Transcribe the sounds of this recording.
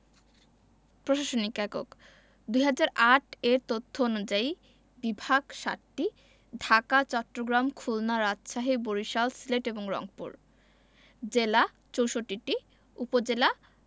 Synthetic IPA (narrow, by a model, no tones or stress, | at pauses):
pɾoʃaʃonikɛko̰k | d̪ujɦad͡ʑaɾʔaʈeɾt̪ot̪ʰːoonud͡ʑai | bibʱaɡʃa̰ʈːi | ɖʱakat͡ɕɔʈːɾoɡɾamkʰulnaɾad͡ʑʃaɦiboɾiʃalsileʈeboŋɾɔ̰ŋpṵɾ | d͡ʑela | t͡ɕowʃoʈːiʈi | upod͡ʑela